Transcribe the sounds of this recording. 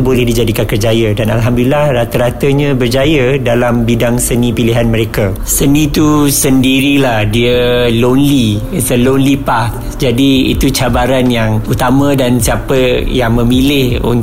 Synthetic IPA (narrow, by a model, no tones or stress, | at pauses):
bolɛhdid͡ʒadikankərd͡ʒajədana̰lɦamdulilahrat̪əɾat̪əɲãbərd͡ʒajədalambidaŋsənĩpiliɦanməɾeka | sənĩt̪usəndiɾilahdiəlonlisəlonlipak̚ | d͡ʒadiḭt̪ut͡ʃabaɾanjaŋut̪amə̃dansiapəjaŋmə̃mĩlɪhṵn